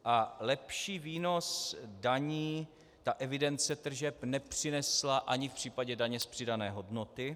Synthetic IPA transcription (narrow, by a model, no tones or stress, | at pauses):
ʔalɛpʃiːviːno̞sdaɲiː | t̪aʔɛvɪdɛnt͡sɛt̪r̩ʒɛpnɛpr̝̥ɪnɛslaʔaɲɪfpr̝̥iːpaɟɛdaɲɛspr̝̥ɪdanɛːɦo̞dno̞t̪ɪ